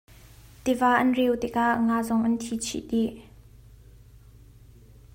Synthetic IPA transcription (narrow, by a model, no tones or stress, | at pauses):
t̪ivaːʔɐnrɛwt̪ɪk̚aʔŋaːzɔŋʔɐntʰit͡ɕʰḭʔɗi